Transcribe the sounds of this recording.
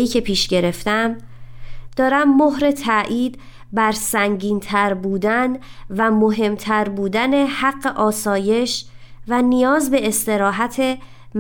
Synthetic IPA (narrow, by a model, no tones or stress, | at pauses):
iːcʰe̞pʰiːʃɟe̞ɾe̞ft̪æm | d̪̥ɒːɾæmːoɦɾe̞t̪ʰæʔiːd̪̚ | bæɾsæŋɟiːnt̪ʰæɾbuːd̪ænvæmo̞ɦe̞mt̪ʰæɾbuːd̪æne̞hæɢːe̞ʔɒːsɒːje̞ʃvænijɒːzbe̞ːst̪e̞ɾɒːɦæt̪ʰe̞ | m